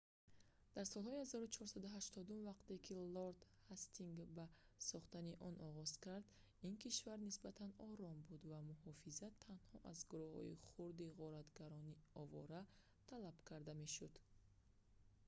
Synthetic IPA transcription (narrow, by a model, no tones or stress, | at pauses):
d̪̥aɾsɔlˠhɔihazɔɾut͡ʃʰɔɾsad̪uɦaʃt̪ɔd̪umvaqt̪e̞kʰilɔɾd̪hast̪iŋɡbasɔχt̪aniʔɔnɔʁɔz̥kaɾd̪ | inkiʃvaɾnisbat̪ʰanɔɾɔmbud̪vamuhɔfizat̪ʰːanhɔʔazɡuɾuhɔ̰ḭχuɾd̪iʁɔɾat̪ɡaɾɔniɔvɔ̰ɾa | t̪ʰalab̥kʰaɾd̪ame̞ʃud̪̥